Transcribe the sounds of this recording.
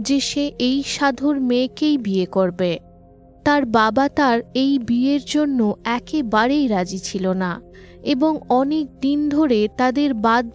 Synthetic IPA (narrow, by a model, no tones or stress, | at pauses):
d͡ʑeʃeʔejʃad̪ʱoɾmekejbiekoɾbe | t̪aɾbabat̪aɾejbieɾd͡ʑonːoɛkebaɾejɾad͡ʑit͡ɕʰilona | eboŋɔnek̚d̪ind̪ʱoɾet̪ad̪eɾbad̪̚